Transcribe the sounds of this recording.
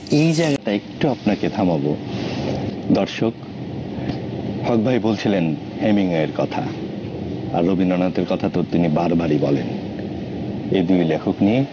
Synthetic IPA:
ejd͡ʑaeɡaʈaekʈuapnaked̪ʱamabo | d̪ɔɾʃok | hɔk̚bʱajbolt͡ɕʰilen | hemiŋoeɾkɔt̪ʰa̰ | aɾːobʱinːɔnaot̪eɾkɔt̪ʰat̪ot̪inibaɾbaɾibɔlen | ejd̪ujlekʰoknije

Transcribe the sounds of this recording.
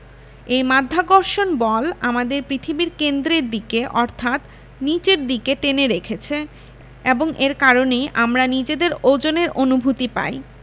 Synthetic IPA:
ejmad̪ʱːaɡoɾʃonbɔlamad̪eɾpɾit̪ʰibiɾkend̪ɾeɾd̪ikeʔɔɾt̪ʰat̪ | nit͡ɕeɾd̪ikeʈeneɾekʰet͡ɕʰe | eboŋʔeɾkaɾonejʔamɾanid͡ʑed̪eɾod͡ʑoneɾʔonubʱut̪ipa̰j

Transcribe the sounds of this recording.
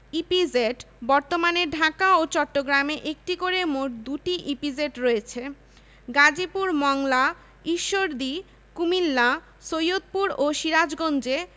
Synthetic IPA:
ipid͡ʑeʈ | bɔɾt̪omaneɖʱakaot͡ɕɔʈːoɡɾameʔek̚ʈikoɾemoʈ̚d̪uʈiʔipid͡ʑeʈɾoet͡ɕʰe | ɡad͡ʑipuɾmɔŋla | iʃːoɾd̪i | kumilːa | sojot̪̚puɾoʃiɾad͡ʑɡond͡ʑe

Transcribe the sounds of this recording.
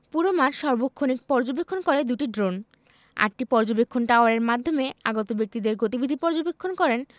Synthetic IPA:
puɾomaɾʃɔɾbokʰːonik̚pɔɾd͡ʑobekʰːonkɔɾed̪uʈiɖɾon | a̰ʈʈipɔɾd͡ʑobekʰːonʈaoaɾeɾmad̪ʱomeaɡot̪obek̚t̪id̪eɾɡot̪ibid̪ʱipɔɾd͡ʑobekʰːonkɔɾen

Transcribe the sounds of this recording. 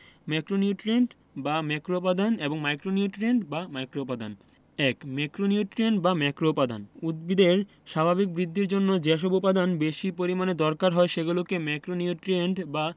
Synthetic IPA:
mɛkɾoniuʈɾieɳʈ | bamɛkɾopad̪aneboŋmajkɾoniuʈɾieɳʈbamajkɾopad̪a̰n | ɛkmɛkɾoniuʈɾienʈbamɛkɾopad̪ʱanud̪̚bid̪eɾ | ʃabʱabik̚bɾid̪ʱːiɾd͡ʑonːod͡ʑeʃobopad̪anbeʃipoɾimaned̪ɔɾkaɾɦɔeʃeɡulokemɛkɾoniuʈɾieɳʈba

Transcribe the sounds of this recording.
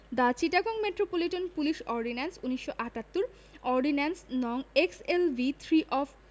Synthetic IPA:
d̪at͡ɕiʈaɡoŋmeʈɾopoliʈonpuliʃɔɾɖinansuniʃːoʔaʈat̪ːuɾ | ɔɾɖinansnɔŋekselbit̪ʰɾiʔɔfʰ

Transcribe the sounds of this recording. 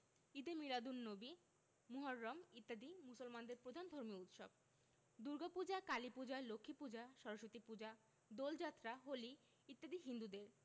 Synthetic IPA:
id̪emilad̪unːobi | muɦaɾːɔmit̪ːad̪imusolmand̪eɾpɾod̪ʱand̪ʱoɾmiut̪ʃob | d̪uɾɡapud͡ʑakalipud͡ʑalokʰːipud͡ʑaʃɔɾoʃot̪ipud͡ʑa | d̪old͡ʑat̪ːɾaɦoli | it̪ːad̪iɦind̪ud̪eɾ

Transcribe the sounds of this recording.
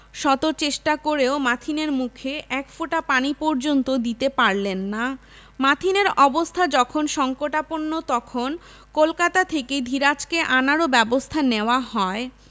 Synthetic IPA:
ʃɔt̪ot͡ɕeʃʈakoɾeomat̪ʰineɾmukʰeʔɛkfoʈapanipɔɾd͡ʑont̪od̪it̪epaɾlenːa | mat̪ʰineɾɔbost̪ʰad͡ʑɔkʰonʃɔŋkoʈaponːot̪ɔkʰon | kolkat̪at̪ʰekejd̪ʱiɾat͡ɕkeʔanaɾobɛbost̪ʰaneoaɦɔe

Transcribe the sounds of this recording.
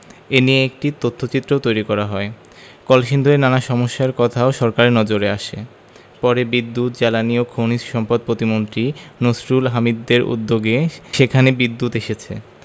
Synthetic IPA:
enijeek̚ʈit̪ot̪ʰːot͡ɕit̪ːɾot̪ojɾikɔɾaɦɔe | kɔlʃind̪ʱoɾenanaʃɔmoʃːaeɾkɔt̪ʰaoʃɔɾkaɾenɔd͡ʑoɾeaʃe | pɔɾebid̪ːut̪̚d͡ʑɛlaniokʰownisʃɔmpad̪̚pɾot̪imont̪ɾinosɾulɦamid̪ːeɾṵd̪ːoɡeʃekʰanebid̪ːut̪eʃet͡ɕʰḛ

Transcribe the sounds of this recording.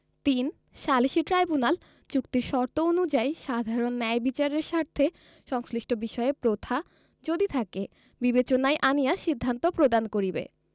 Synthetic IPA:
t̪in | ʃaliʃiʈɾajbunal | t͡ɕukt̪iɾʃɔɾt̪oonud͡ʑajʃad̪ʱaɾonːɛjbit͡ɕaɾeɾʃaɾt̪ʰːe | ʃɔŋsliʃʈobiʃɔeepɾot̪ʰa | d͡ʑod̪it̪ʰake | bibet͡ɕonajʔanijaʃid̪ʱːant̪opɾod̪ankoɾibḛ

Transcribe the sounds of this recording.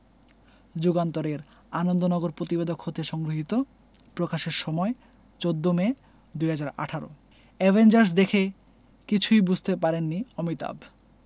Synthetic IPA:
d͡ʑuɡant̪oɾeɾ | anond̪onɔɡoɾpɾot̪ibed̪okʰhot̪ieʃɔŋɡɾoɦit̪o | pɾokaʃeɾʃɔmɔe | t͡ɕod̪ːome | d̪ujɦad͡ʑaɾa̰ʈʰaɾo̰ | ɛbʱend͡ʑaɾs̬d̪ekʰe | kit͡ɕʰujbud͡ʑʱt̪epaɾenːiɔmit̪a̰b

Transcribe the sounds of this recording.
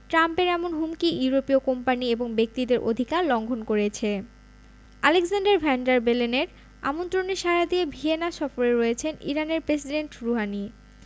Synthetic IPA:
ʈɾampeɾɛmonɦumkiuuɾopiokompanieboŋbek̚t̪id̪eɾʔo̰d̪ʱikaɾlɔŋɡʱonkoɾet͡ɕʰe | aleksanɖaɾbʱɛɳɖaɾbeleneɾ | a̰mont̪ɾoneɾʃaɾad̪iebʱienaʃɔfoɾeɾɔjet͡ɕʰenḭɾaneɾpɾesiɖeɳʈɾuɦani

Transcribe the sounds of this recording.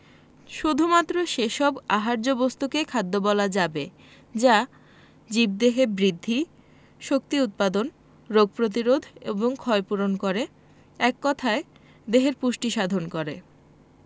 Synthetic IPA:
ʃud̪ʱumat̪ːɾoʃeʃɔbaɦaɾd͡ʑobost̪ukekʰad̪ʱːobɔlad͡ʑabe | d͡ʑa | d͡ʑib̚d̪eɦebɾid̪ʱːi | ʃok̚t̪iut̪̚pad̪on | ɾoɡ̚pɾot̪̬iɾod̪ʱeboŋkʰɔepuɾonkoɾe | ɛkːɔt̪ʰae | d̪eɦeɾpuʃʈiʃad̪ʱonkoɾe

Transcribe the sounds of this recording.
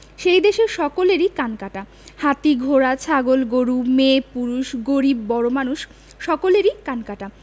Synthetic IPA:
ʃejd̪eʃeɾʃɔkoleɾikankaʈa | hat̪iɡʱoɾat͡ɕʰaɡolɡoɾumepuɾuʃɡoɾibːɔɽomanuʃ | ʃɔkoleɾikankaʈa

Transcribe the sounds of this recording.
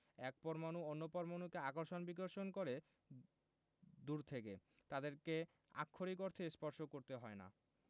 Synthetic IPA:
ɛk̚pɔɾmanuonːopɔɾmanukeakoɾʃonbikoɾʃonkoɾe | d̪uɾt̪ʰekḛ | t̪ad̪eɾke | a̰kʰːoɾik̬oɾt̪ʰespɔɾʃokoɾt̪eɦɔena̰

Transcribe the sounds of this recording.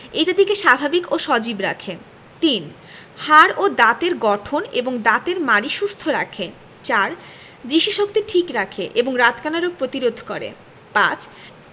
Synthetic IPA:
eʈad̪ikeʃabʱabikoʃɔd͡ʑibɾa̰kʰe | t̪in | haɾod̪at̪eɾɡɔʈʰoneboŋd̪at̪eɾmaɾiʃust̪ʰoɾa̰kʰe | t͡ɕaɾ | d͡ʑiʃiʃok̚t̪eʈʰikɾakʰeʔeboŋɾat̪kanaɾopɾot̪iɾod̪ʱkoɾḛ | pãt͡ɕ

